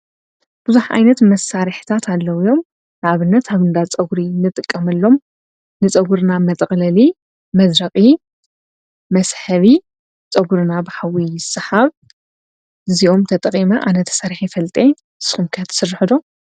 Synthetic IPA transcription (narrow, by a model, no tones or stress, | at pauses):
b̥ɨzuħʔa̰jnɐt̪mɐsaɾiħi̥t̪ʰat̪ʰalːɐwijo̞m | naβɨnːɐt̪ʰaβɨnd̪at͡sʼɐɡuɾinɨt̪ʼɨkʼːɐmɨlːo̞m | nɨt͡sʼɐɡuɾnamɐt̪ʼxʼlɐli | mɐd̪ɾɐχʼi | mɐsħɐβi | t͡sʼɐɡuɾɨnabɨħawijɪsɨħaβ | ɨziʔo̞mt̪ʰɐt̪ʼɐqʼimɐʔanɐt̪ʰɐ̥saɾiħifɐlt̪ʼe | sɨ̥xumkʰt̪ʰsɨrːɨħɨd̪o̞